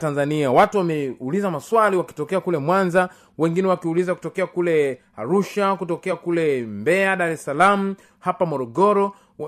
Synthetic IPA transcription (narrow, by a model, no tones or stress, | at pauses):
tanzaniawatuwamɛulizamaswaliwaki̥tɔkɛakulɛmwanza | wɛŋɡinɛwakiulizaku̥tɔkɛakulɛ | aɾuʃakutɔkɛakulɛmbɛaɗaɾɛsalamu | hapamɔɾɔɡɔɾɔ